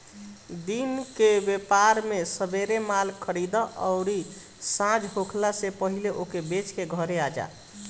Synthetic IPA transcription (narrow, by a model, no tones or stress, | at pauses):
d̪inkebepaɾmesəbeɾemalkʰəɽid̪əʔəʊɾi | sãd͡ʒɦokʰlasepəɦileʔokebet͡ʃkeɡʱəɾead͡ʒa̰